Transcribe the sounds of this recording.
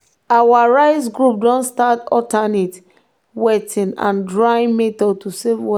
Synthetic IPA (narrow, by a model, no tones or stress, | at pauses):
awaɹaɪs̬ɡɹup̚dɔ̃nstatɔtanet | wɛtʰĩnã̰ndɹaĩnmetɔltusevwɔ